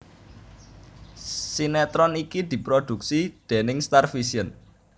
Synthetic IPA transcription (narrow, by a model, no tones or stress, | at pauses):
sinɛt̪ɾɔnikid̪̥i̤pɾod̪̥ṳksid̪̥e̤nɪŋst̪arfisiən